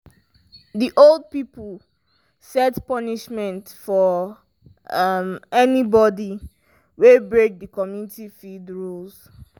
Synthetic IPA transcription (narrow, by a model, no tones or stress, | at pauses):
diʔolˠd̚pipəl | sɛtpʌniʃmɛ̃nt | fɔ | mɛnibɔdi | webɹek̚dəkɔmjunitifildɹuls